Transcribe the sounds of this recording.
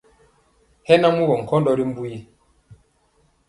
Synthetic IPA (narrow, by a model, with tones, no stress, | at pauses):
hɛ˦na˦mu˦ɡɔ˨ŋ̩˨kɔ̃˦ndɔ˦ɾi˦m̩˦bu˦ji˦